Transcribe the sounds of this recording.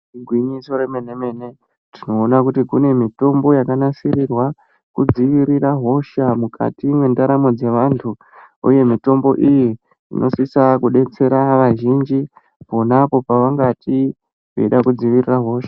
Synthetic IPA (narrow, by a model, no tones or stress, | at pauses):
ɡwiɲiso̞ɾemeneme̞ːne̞ | tino̞ːnakutikune̞mito̞mbo̞jakanasirirwa | kud͡ziʋiɾiɾaɦo̞ʃamukʰa̰timwe̞ndaɾamod͡ze̞ʋantʰu | ṵje̞mito̞mbo̞ʔiji | ḭnʔo̞sisakuɗe̞t͡se̞ɾaʋaʒind͡ʒi | po̞napo̞paʋaŋɡatʰi | wḛɗakud͡ziʋiriraɦo̞ːʃḁ